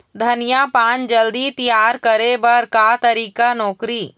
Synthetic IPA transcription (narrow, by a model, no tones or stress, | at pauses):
d̪ʱənijapãnd͡ʒəld̪it̪ijaɾkəɾebəɾkat̪əɾikanɔːkɾi